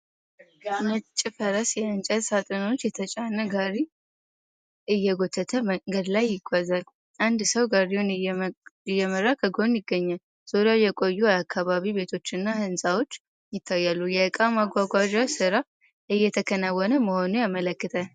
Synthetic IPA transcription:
mət͡ʃʼːɪfəɾəsjɛənt͡ʃʼɛt̪sat̪ʼono̞t͡ʃːjɛt̪ʰət͡ʃʼanːəɡaɾi | ʔɨjːɛɡo̞t̪ʰːət̪ʰəɡəd̪lajːɪɡʷːazal | ʔand̪səwɡaɾiwun | ɪjːɛməɾːakʰəɡo̞njɪɡːəɲːal | z̥oɾajɛkʼo̞jːuakʰːaβaβiβe̞t̪ʰo̞t͡ʃːɨnːahɨnsawo̞t͡ʃː | jɪt̪ʰːajːalːujɛɨkʼamaɡʷaɡʷad͡ʒasɨɾa | ʔɨjːɛt̪ʰəkʰənawːɔnəməho̞nujamələkːɨt̪ʰə

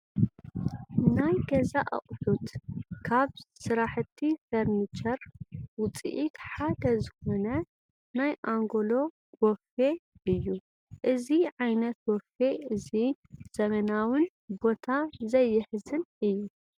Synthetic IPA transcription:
najɡɐzaʔɐ̰χʼħut̪kʰaβsɨɾaħɨt̪ʰːifɐɾnit͡ʃʰʼɐɾwʊt͡sʼḭʔit̪ħad̪ɐzɨxo̞nɐ | najʔaŋɡolo̞ | ɡɔfe̞ʔɨjːu | ʔɨziʕajnɐt̪̚wɔfe̞ɨziz̥ɐmɐnawɨn | bo̞t̪ʰazɐjːɪħɨzɨnɨjːu

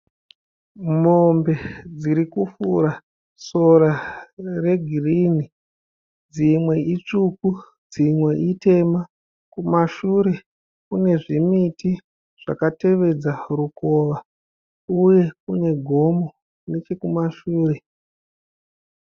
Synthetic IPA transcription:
mo̞mbe̞d͡ziɾikufṵɾa | so̞ɾare̞ɡʱirini | d͡zimwe̞it͡ʂuku | d͡zimwe̞ʔite̞ma | kumaʃuɾe̞ | kune̞ʐimiti | ʐ̥a̰kate̞ʋe̞d͡zaruko̞ːʋa | uje̞kune̞ɡʱo̞mo | ne̞t͡ʃe̞kumaʃuːre̞

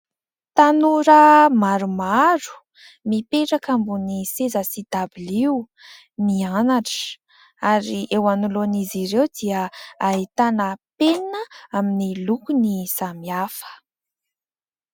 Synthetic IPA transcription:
t̪anuɾəmaɾumaɾu̥ | mipeʈ͡ʂakambunisezəsid̪abiliw | mianaʈ͡ʂə̥ | aɾiewanuloniziɾewd̪iəait̪anəpennəaminilukunisamiafə̥

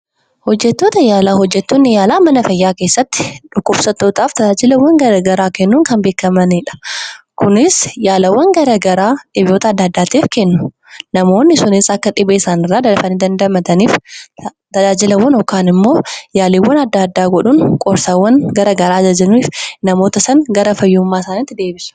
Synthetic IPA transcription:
hɔd͡ʒːɛt̪ːoːt̪ɐjaːlaːɦɔd͡ʒːɛt̪ːonːɪjaːlaːmɐnɐfɐjːaːke̞ːsːɐt̪ːɪ̥ᶑʊkːʊbsɐt̪ːoːt̪aːft̪ɐd͡ʒaːd͡ʒɪlɐwːɐŋɡɐɾɐɡɐɾaːkɛnːuːnkɐnbe̞ːkːɐmɐniᶑɐ̥ | kʊnɪsjaːlɐwːɐŋɡɐɾɐɡɐɾaːᶑɪbjo̞ːt̪ɐd̪ːaːd̪ːaːt̪iːfkɛnːʊ | nɐmo̞ːnːɪsʊnɪsɐkːɐᶑɪbeɪsaːnɪrːaːd̪ɐlɐfɐniːd̪ɐnd̪ɐmɐt̪ɐniːf | t̪ɐd͡ʒaːd͡ʒɪlɐwːɐnɔkːaːnɪmːo̞ːjaːliːwːɐnɐd̪ːaːd̪ːaːɡɔᶑʊnkʼɔɾsawːɐnɡɐɾɐɡɐɾaːd͡ʒɐd͡ʒɐnniːfnɐmo̞ːt̪ɐsɐnɡɐɾɐfɐjːʊmːaːɪsaːnɪt̪ːɪd̪e̞ːbɪsɐ̥

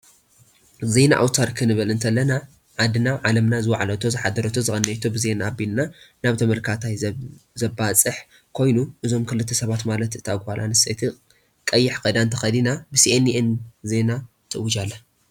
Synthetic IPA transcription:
ze̞na̰ʔa̰wt̪ʰaɾkʰɨnɨβɐlɨnt̪ʰɐlːɐna | ʕad̪ɨnaʕalɐmnazɨwaʕalɐt̪ʰo̞zɨħad̪ːɐɾɐt̪ʰo̞zɨxʼɐnːɐt̪ʰobɨzenaːbilnanaβt̪ʰɐmɐlkʰat̪ʰajzɐbat͡sʼɨħ | kʰo̞jnuʔɨzo̞mkʰɨlɨt̪ʰːɐsɐβat̪malɐt̪ɨt̪ʰaɡalʔa̰nɨset̪ʰi | kʼɐjːɪħkɐd̪ant̪ʰɐxɐd̪inabɨsiʔeniʔenze̞na | t̪ʰɨwʊd͡ʒalːɐ

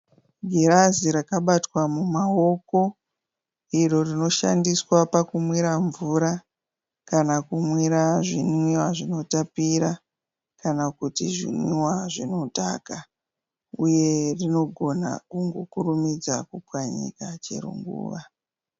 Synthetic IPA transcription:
ɡʱiɾaziɾakaɓatwamumao̞ko̞ | iro̞rino̞ʃa̰ndiswapakumwiɾaɱvuɾa | kanakumwiɾaʐinwiwaʐino̞tapiɾa | kanakutiʐḭnwiiwaʐino̞ta̰ka | uje̞rino̞ɡʱo̞na̰kuŋɡokurumid͡za̰kupwaɲḭkat͡ʃḛɾṵŋɡṵːʋa

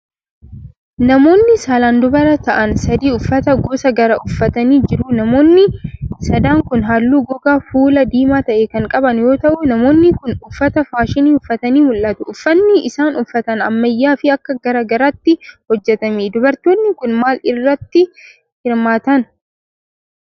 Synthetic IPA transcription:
nɐmo̞ːnːɪsaːlaːnd̪ʊbɐɾɐt̪ɐʔɐnsɐd̪iːʊfːɐt̪ɐɡoːsɐɡɐɾɐʔʊfːɐt̪ɐniːd͡ʒɪɾʊnɐmo̞ːnːɪsɐd̪aːŋkʊnɦaːlːuːɡɔɡaːfuːlɐd̪iːmaːt̪ɐʔekɐŋkʼɐbɐnjo̞ːt̪ɐʔʊnɐmo̞ːnːɪkʊnʊfːɐt̪ɐfaːʃɪniːʊfːɐt̪ɐniːmʊlʔɐt̪ʊʔʊfːɐnːɪɪsaːnʊfːɐt̪ɐnɐ̰mːɐjːaːfɪɐkːɐɡɐɾɐɡɐɾaːt̪ːɪhɔd͡ʒːɛt̪ɐmeːd̪ʊbɐɾt̪oːnːɪkʊnmaːlɪrːɐt̪ːɪ | hɪɾmaːt̪ɐn

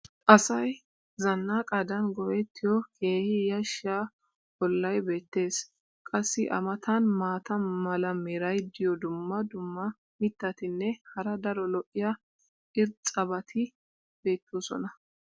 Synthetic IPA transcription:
ʔɐsɐj | zɐnːaːkʼɐd̪ɐnɡɔʔɛt̪ʰːɪjɔke̞ːhɪjɐʃːaː | bɔlːɐjbe̞ːt̪ːe̞ːs | kʼɐsːɪʔɐ̰mɐt̪ʰɐnmaːt̪ɐmɐlɐmɛɾɐjd̪ɪjɔd̪ʊmːɐd̪ʊmːɐ | mɪt̪ːɐt̪ɪnːɛhɐɾɐd̪ɐɾɔlɔʔːɪjɐ | ɪɾt͡sʼɐbɐt̪ʰɪ | b̥e̞ːt̪ːusɔ̰nɐ

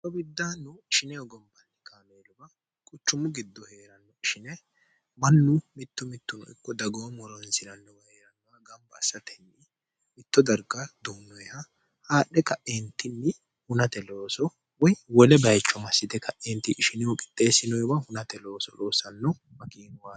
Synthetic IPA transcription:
t̪ɔbɪd̪ːaːnːʊɪʃɪnɛjɔɡɔmbɐnːɪkʰaːmeːlʊbɐ | kʼʊt͡ʃːʊmʊɡɪd̪ːɔheːɾɐnːɔɪʃɪnɛ | mɐnːʊmɪt̪ːʊmɪt̪ːʊnɔ̰ɪ̰kːɔd̪ɐɡoːmɔɾɔnsɪnɐnːɔbɐheːɾɐnːɔɐɡɐmbɐːsːɐt̪ɛnːɪ | mɪt̪ːɔd̪ɐɾɡɐd̪uːnːɔjhɐ | haːɗːɛkɐʔeːnt̪ɪnːɪ | hʊnɐt̪ɛlo̞ːsɔ | wɔjwɔlɛbɐjt͡ʃːɔmɐsːɪd̪ɛkʰɐʔeːnt̪ɪʔːʃɪnɛjɔkʼɪ̥t̪ʼːe̞ːsɪnɔjbɐhʊnɐt̪ɛlo̞ːsɔ̰loːsɐnːɔ | mɐkʼiːnʊwaː

